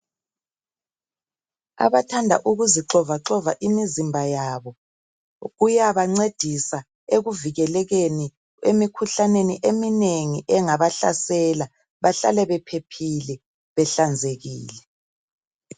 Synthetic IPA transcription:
a̰βatʰandʱa̰ʔuɣuziǁɔvaǁɔvaʔimizimbʱajaːβɔ | ɣujaβaŋ͡ǀed̥ʱisa | eɣuviɣɛlɛɣeni | ḛmikʰuɬaneniʔemineŋiʔɛŋaβaɬa̰sɛla | βaɬa̰lɛβɛpʰepʰilɛ | βɛɬand͡zʱeɣḭːlɛ

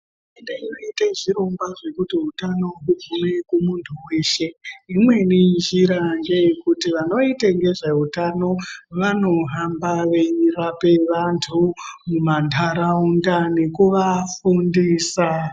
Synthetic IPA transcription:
endeinoiteʐiɾo̞mɡwaʐe̞kutiɦutano̞ɦub͡vʱune̞kumuntʰuwe̞ːʃe̞imwe̞ninʒiɾaŋɡe̞jekutiʋano̞itaŋɡe̞ʐeutano̞ʋano̞ɦambaʋe̞ɲirape̞ʋantʰumumantʰaɾaundane̞kuʋafundiːsa

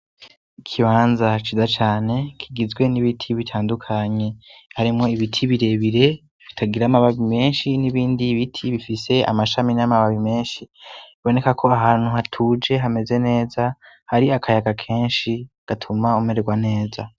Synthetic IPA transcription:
ikʰiβaːnzat͡ʃizat͡ʃaːne̞kʰiɡizɡwe̞niβitʰiβitʰaːndukʰaɲe̞haɾimŋo̞iβitʰiβiɾe̞βiɾe̞ | βitʰaɡiɾaːmaβaβime̞ːnʃiniβiːndiβitʰiβifise̞a̰maʃaminamaβaβime̞ːnʃiiβo̞ne̞kakʰo̞aɦaːn̥huhatʰuːd͡ʒe̞ɦame̞ze̞ne̞ːza | haɾiakʰajaɡakʰe̞ːnʃi | ɡ̥atʰumaume̞ɾeɡwane̞ːza

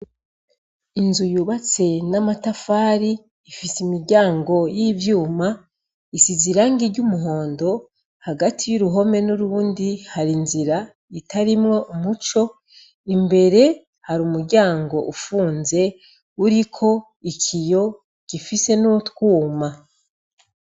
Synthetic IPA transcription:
inzujuβat͡se̞namatafaːɾiː | fisimiɾɟaːŋɡo̞jivjuːma | isiziɾaːŋɡiɾɟumuɦo̞ːndo̞ | haɡatʰijuɾuɦo̞me̞nuɾuːndihaɾinziɾa | itʰaɾimŋo̞ʔumut͡ʃo̞ | imbe̞ɾe̞ | haɾuːmuɾɟaːŋɡo̞ʔufuːnze̞ | uɾikʰo̞ | icʰijo̞ | cifise̞notkuːma

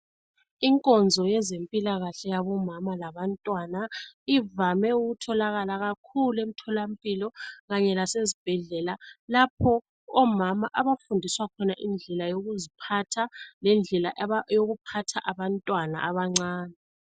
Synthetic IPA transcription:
iŋkʼɔnd͡zʱɔjɛzempʼilaɣaɬɛjaβɔmamalaβantʼwanaivamɛuɣutʰɔlaɣalaɣakʰuluem̩tʰɔlampʼilɔɣaɲɛlasezib̥ʱɛɮɛlalapʰɔ | ɔmamaʔaβafundʱiswakʰɔnaʔind͡ɮʱɛlajoɣuzipʰatʰalɛnd͡ɮʱɛlajoɣupʰatʰaʔaβantʼwana̰ʔaβaŋ͡ǀaːnɛ

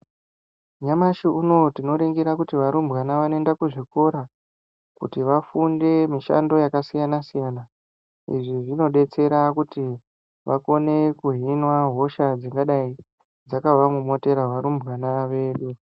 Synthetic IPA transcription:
ɲamaʃiuno̞tino̞ɾeŋɡeɾakutiʋaɾumbɣanaʋanendakuʐiko̞ɾa | kṵtiʋafunde̞miʃa̰ndo̞jakasijanasijana | ḭʐiʐino̞ɗe̞t͡se̞ɾakuti | ʋʔako̞ne̞kuɦinwaɦo̞ʃad͡ziŋɡaɗai | d͡zakaʋamumo̞te̞ɾaɦwaɾumbɣanaʋe̞ːɗu

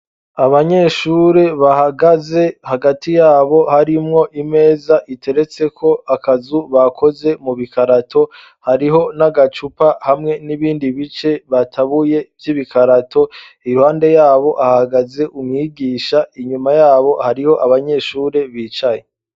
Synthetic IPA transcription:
aβaɲe̞ːʃuːɾe̞βahaɡaze̞haɡatijaːβo̞haɾimŋo̞ʔime̞ːzaʔite̞ɾet͡se̞kʰo̞akazuβakʰo̞ze̞muβikaɾatʰo̞ | haɾiɦo̞naɡat͡ʃupahamŋe̞niβiːndiβit͡ʃe̞βatʰaβuje̞vjiːβikʰaɾatʰo̞ | iuhaːnde̞jaːβo̞ʔahaɡaze̞ʔumŋiɡiːʃaiɲumajaːβo̞haɾiho̞ʔaβaɲe̞ʃuːɾe̞βiːt͡ʃaje

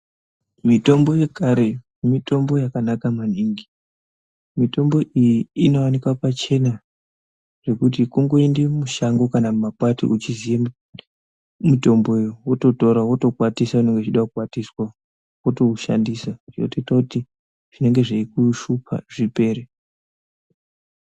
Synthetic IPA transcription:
mito̞mbo̞je̞kaɾe̞mumito̞mbo̞jakanakamaniŋɡi | mito̞mbo̞ʔijiino̞wanikwapat͡ʃe̞na | ʐ̥e̞kutikuŋɡo̞endemuʃaŋɡo̞kanamapatḭʔut͡ʃizija | mito̞mboijowoto̞to̞ɾawo̞to̞kwatisaune̞ŋɡet͡ʃiɗakukwatiswa | woto̞uʃa̰ndisaʐino̰to̞itakuti | ʐ̥ine̞ŋɡe̞ʐaikuʃupʰa̰ʐipe̞ːɾe

